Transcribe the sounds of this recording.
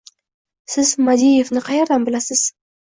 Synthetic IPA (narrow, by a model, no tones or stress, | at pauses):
sɪzmad̪ijevnɪqʰɑjɑɾd̪anbɪlasɪz̥